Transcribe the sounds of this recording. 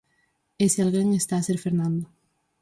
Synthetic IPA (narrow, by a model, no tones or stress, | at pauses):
esalɣeŋest̪aːseɾfeɾnãnd̪o